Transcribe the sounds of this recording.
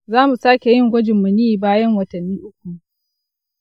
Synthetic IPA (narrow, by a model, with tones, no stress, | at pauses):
zaː˦mu˨saː˦kʲe˨jɪ˦ŋɡʷɐ˦d͡ʒɪ˨mːu˨niː˦˨baː˦jɐ˦ŋwɐ˨tɐ˨nːiː˦ʔʊ˦kʷu˨